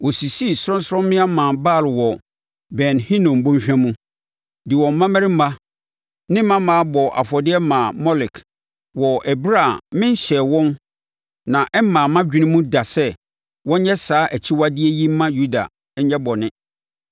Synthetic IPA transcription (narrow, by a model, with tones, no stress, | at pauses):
wɔ˨si˨si˦˨sɾɔ̃˦n˦sɾɔ̃˦m˦mɪ̃˦a˦mã˨ba˦˨lwɔ˨ | bɛ˨nhĩ˦nɔ̃˨m̩˨bõ˦mɕᶣã˦mũ˦ | dɪ˨wɔ̃˨m̩˨mã˦mɛ˦ɾɪ˦m̩˦ma˦ | nɪ̃˦mã˦mã˨˦bɔ˨ʔa̰˨fɔ˨dɪ˦ɛ˦mã˨mɔ˦lɪ˨k | wɔ˨ʔɛ˨bɾa˦˨mɪ̃˦n˦ɕɛ˨wɔ̃˦n | nã˨ʔɛ˦m˦mã˨mã˦d͡ʑᶣi˦nɪ̃˦mũ˦da˨sɛ˦ | wɔ̃˦ɲɛ˦saː˨˦ʔæ˨t͡ɕʰi˦wa˦dɪ˦ɛ˦ji˦mã˦ju˦da̰˨˦ | ɲɛ˦bɔ˨nɪ̃˦